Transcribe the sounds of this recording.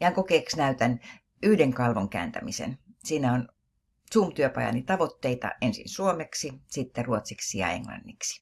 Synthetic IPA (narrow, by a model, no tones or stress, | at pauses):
jæŋkokeːksnæyt̪æn | yhdeŋkɑlʋoŋkæ̰ːnt̪æ̰misḛnsiːnæon | sumt̪yøpɑjɑ̰nit̪ɑʋot̪ːeit̪ɑ̰ensḭnsuomeksisit̪ːeruot̪siksijɑ̰ḛŋlɑ̰nːiksi̥